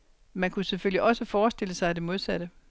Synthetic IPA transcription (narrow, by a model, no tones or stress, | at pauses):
mænkʰuseføl̰iʔɒ̽səfɒːsd̥e̝ləsɑ̈ɪæd̥e̝mo̝ð̞ˠsæɾ̥ə